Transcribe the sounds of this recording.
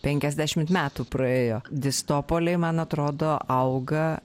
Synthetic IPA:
pʲɛŋʲkʲɛzʲd̪ʲæːʃʲɪmt̪mʲæːt̪uːpɾɐeːjoːd̪ʲɪst̪oːpoːlʲɛɪmɐnɐt̪ɾoːd̪oːɐʊɡɐ

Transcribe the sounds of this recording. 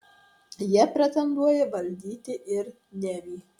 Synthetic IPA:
jɛpʲɾʲɛt̪ʲɛnd̪uɔjɛʋɐlʲd̪ʲiːt̪ʲɪʔɪɾ | nʲɛbʲiː

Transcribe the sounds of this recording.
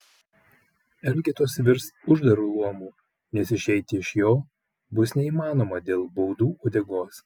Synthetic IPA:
ɛlʲɡʲɛt̪oːsʋʲɪɾst̪ʊʒd̪ɐɾuːlˠuɔmuː | nʲɛsɪʃʲɛɪt̪ʲɪɪʃjoː | bʊsnʲɛiːmɑːnoːmɐd̪ʲeːlˠbɔʊd̪uːʔod̪ʲɛɡoːs

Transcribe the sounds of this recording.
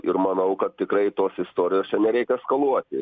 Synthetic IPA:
ɪrmɐnɐʊkɐt̪̚ʲt̪ʲɪkrɐɪt̪oːsɪst̪oːɾʲɪjoːst͡ʃʲɛnʲɛɾʲɛɪkʲɛskɐlˠuɔt̪ʲɪ

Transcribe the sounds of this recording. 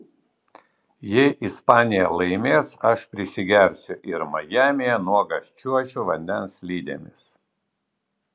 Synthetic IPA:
jɛɪʔɪspɑːnʲɪjɛlˠɐɪmʲeːsɐʃpʲɾʲɪsʲɪɡʲɛɾʲsʲʊʔɪɾmɐjæːmʲɪjɛnuɔɡɐsʲt͡ʃʲuɔt͡ʃʲuːʋɐnʲd̪ʲɛnslʲiːd̪ʲḛmʲɪ̰s

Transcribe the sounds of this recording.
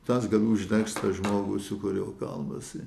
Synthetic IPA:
t̪ɑsɡɐlʲuːʒʲd̪ʲɛkst̪ɐʒmoːɡʊːsʊkʊɾʲeoːkɐ̰lˠmɐsɪ

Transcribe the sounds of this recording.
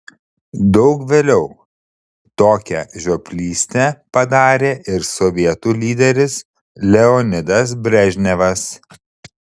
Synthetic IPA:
d̪ɒʊkʋʲeːlʲɛʊ | t̪oːkʲɛʒʲopʲlʲiːsʲt̪ʲɛpɐd̪ɑːɾʲeːʔɪɾsɔʋʲiɛt̪uːlʲiːd̪ʲɛɾʲɪs | lʲɛɔnʲɪd̪ɐs̬bʲɾʲɛʒʲnʲɛʋɐs

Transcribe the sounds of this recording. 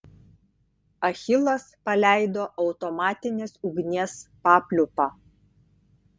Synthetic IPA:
ɐxʲɪlˠɐspɐlʲæˑɪd̪oːʔɒʊt̪ɔmɑːt̪ʲɪnʲeːsʊɡnʲeːspɑːpʲlʲʊpɑː

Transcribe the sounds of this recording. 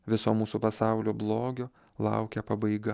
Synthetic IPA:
ʋʲɪsoːmuːsupɐsɑˑʊlʲoːblˠoːɡʲoː | lˠɑ̰ʊkʲɛpɐbɐɪɡɐ

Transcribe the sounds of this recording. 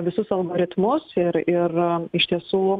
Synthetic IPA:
ʋʲɪsʊsɐlˠɡoːɾʲɪt̪mʊsɪɾɪrɪʃʲt̪ʲiɛsuː

